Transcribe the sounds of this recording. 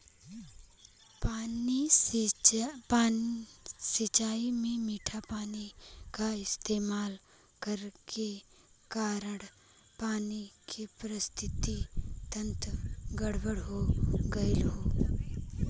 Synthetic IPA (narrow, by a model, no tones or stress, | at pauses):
pai | a | sɪt͡ʃaːimẽmiːʈʰapaːnikaɪst̪eːmaːl | kəɾkʰe | kaːɾəɽ | paːnikʰepɾəst̪ʰɪt̪it̪ə̃nt̪ɡɐɽbəɽɦoɡɐelɦoː